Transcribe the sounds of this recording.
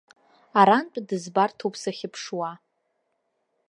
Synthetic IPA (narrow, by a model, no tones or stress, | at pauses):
aɾant͡pʼdɨzbartʰupʰsaχʲɪpʰʂwa